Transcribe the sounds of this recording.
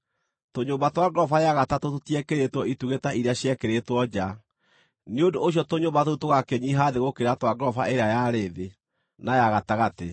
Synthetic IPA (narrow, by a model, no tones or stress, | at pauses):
toɲoːmbatwaɡɾɔfajaɣatatototijɛkeɾetwɔituɣetaiɾeaɕjɛkeɾetwɔd͡ʑa | neodoːɕjɔtoɲoːmbatoutoɣakɛɲiɦaːðeɣokeɾatwaɡɾɔfaeɾeajaɾeðe | najaɣataɣate